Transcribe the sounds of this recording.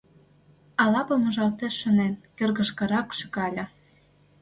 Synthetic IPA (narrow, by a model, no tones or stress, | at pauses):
ɑlɑpɤ̆mɤ̆ʒɑlt̪eʃːə̆nenkørɣə̆ʃkɤ̆ɾɑkʃyɣɑlʲɑ̆